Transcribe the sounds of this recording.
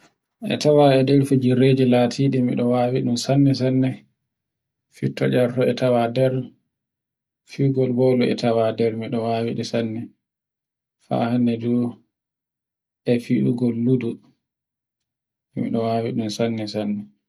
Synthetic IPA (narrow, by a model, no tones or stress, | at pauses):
ʔɛ̰tawaɛdɛɾfid͡ʒiɾeːd͡ʒilatʰiːɗimḭɗɔwaːwiɗunsanːɛs̬anːɛ | fitːɔd͡ʒaɾtɔɛtawadɛɾ | fiɡɔlbɔluɛ̰tʰawadɛɾmiɗɔwawiɗisanːɛ | fa̰hanːɛdu | ɛfiɗuɡɔlːudu | mḭɗɔwawiɗunsanːɛsanːɛ